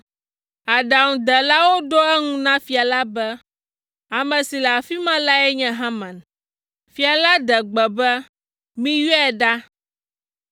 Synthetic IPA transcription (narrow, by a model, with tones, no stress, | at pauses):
a˨ɖa˨ŋũ˨d̪ɛ˨la˦wo˦ɖo˦ɛ˦ŋũ˦nã˦fi˨a˨la˦bɛ˦ | a˨mɛ̃˨si˨la˨fi˦mã˦la˦ɛ˦ɲɛ̃˦ɦã˦mã˨n | fi˨a˨la˦d̪ɛ˨ɡ͡bɛ˨bɛ˦ | mĩ˦ji˦ɛ˦˨ɖa˦